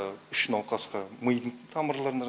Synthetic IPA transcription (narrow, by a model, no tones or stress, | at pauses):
ʏʃnɑlˠqɑsqɑməjd̪əɴt̪ʰɑməɾlˠɑɾən